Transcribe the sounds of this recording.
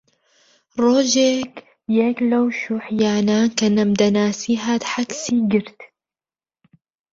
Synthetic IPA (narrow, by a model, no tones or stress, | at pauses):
ɾˤoːʒek | jeːklawʃuħjaːnankanamd̪anaːsiɦat̪ħaksiːɡɪɾt̪